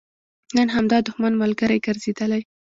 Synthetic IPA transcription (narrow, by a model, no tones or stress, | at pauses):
nənɦamd̪ɑd̪ʊxmanmalɡəɾajɡaɾzed̪əlaj